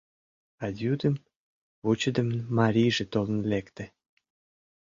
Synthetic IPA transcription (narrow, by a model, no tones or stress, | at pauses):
ɑd̪ʲud̪əm | vut͡ɕə̆d̪ə̆mənmɑɾʲijʒĕt̪olə̆nlekt̪ĕ